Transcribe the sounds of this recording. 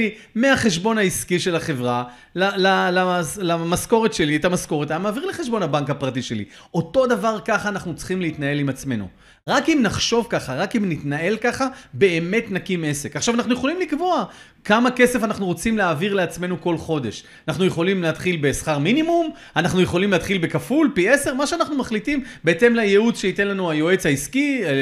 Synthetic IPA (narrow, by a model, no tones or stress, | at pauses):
i | meaχe̞ʃbo̞naiskiʃe̞laχe̞vʁa | lalalalamasko̞ʁetʃe̞liet̪amasko̞ʁet̪aamaːviʁleχeʃbo̞nabaŋkhapʁatiʃe̞lḭ | ʔo̞to̞d̪avaʁkaχaːnaχnut͡sχimleitnae̞limat͡sme̞nṵ | ʁakimnaχʃo̞vkaχaʁakimnitnae̞lkaχabe̞eme̞tnakime̞sekaχʃavanaχnuje̞χo̞limlikvo̞a | kamake̞sefanaχnuʁo̞t͡simleaːviʁle̞at͡sme̞nuko̞lχo̞de̞ʃ | anaχnujeχo̞limleat̪χilbe̞sχaʁminimum | anaχnujeχo̞limleːt̪χilbe̞kafulpie̞se̞ʁmaʃeanaχnumaχlitimbeet̪e̞mlajeut͡sʃeite̞nlanuajo̞e̞t͡shaiski